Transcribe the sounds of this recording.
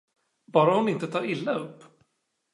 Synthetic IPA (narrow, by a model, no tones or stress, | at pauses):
bɑːɾahʊnɪnt̪ət̪ʰɑːɾɪlːaɵpː